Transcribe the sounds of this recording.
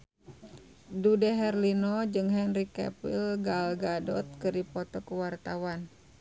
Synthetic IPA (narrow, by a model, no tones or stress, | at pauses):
dudɛɦɛrlinɔd͡ʒɨŋɦɛnrikɛ̰pḭlɡalɡadɔt̪̚kɨrdipɔt̪ɔkəwart̪awan